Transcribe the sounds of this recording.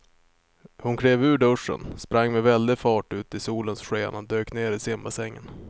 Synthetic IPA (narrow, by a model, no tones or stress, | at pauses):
hʊnkʰɾeːvʉ̟ːɖɵʂə̰nspɾaŋːmɛvɛld̪ɪfɑːʈʉ̟ːt̪ɪsuːlənsɧeːnad̪øːkneːɾɪsɪmbasɛŋːə̰n